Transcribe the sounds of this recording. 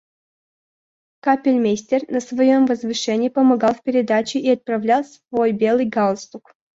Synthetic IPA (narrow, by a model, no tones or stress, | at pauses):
kapʲɪlʲmʲesʲt̪ʲernəsvɐjomvəzvɨʂɛnʲɪipəmɐɡɑlˠfpʲɪɾʲɪd̪at͡ɕɪʔiɐt̪̚pɾɐvlʲalˠsvo̞jbʲe̞lˠɨjɡalˠst̪uk